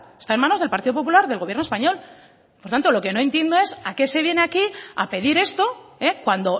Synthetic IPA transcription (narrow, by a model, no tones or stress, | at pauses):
est̪aenmano̞zð̞elpaɾt̪iðo̞pop̬ulaɾðe̞lɣ̞ojeɾnoespaɲo̞l | poɾt̪ant̪o̞lo̞ke̞no̞ent̪je̞nd̪o̞e̞sake̞se̞β̞je̞ne̞akia̰pe̞ð̞iɾe̞st̪o̞ekwand̪o̞